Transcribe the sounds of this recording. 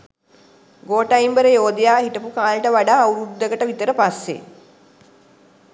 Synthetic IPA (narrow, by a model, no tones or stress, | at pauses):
ɡoːʈajmbəɾəjoːd̪ijaːhiʈəpukaːlʈəʋaɖaːuɾud̪ːəɡəʈəʋit̪əɾəpasːḛ